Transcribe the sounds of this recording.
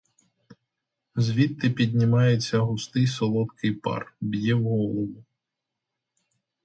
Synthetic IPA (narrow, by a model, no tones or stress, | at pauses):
zʲʋʲit̪ːɪpʲid̪ʲnʲɪmɑjet͡sʲːɐɦʊst̪ɪjsɔlˠɔt̪kʰɪjpɑ̰rbʲjɛwɦɔlˠɔwʊ